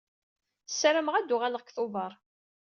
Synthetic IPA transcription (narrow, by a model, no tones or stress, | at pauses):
θsɾəmʁæd̪ːʊʁaləʁkθʊvəɾˤ